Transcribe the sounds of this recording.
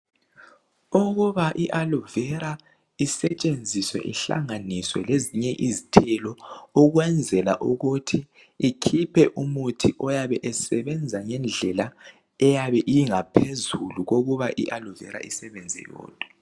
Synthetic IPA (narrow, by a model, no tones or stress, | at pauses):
uɣuβaʔiʔaluvɛɾa | isɛt͡ʃʼend͡zʱiswɛ̰ʔiɬa̰ŋaniswɛ̰leziɲɛʔizitʰɛlɔuɣwɛnd͡zʱɛla̰ʔuɣutʰiː | kʰipʰɛʔumutʰiʔɔjaβɛʔɛsɛβɛnd͡zʱaŋɛnd͡ɮʱɛla | ɛjaβɛʔijiŋapʰezuluɣoɣuβaʔḭʔaluvɛ̰ɾa̰ʔisɛβɛnd͡zʱɛ̰jɔ̰ːd̥ʱʼɔ̥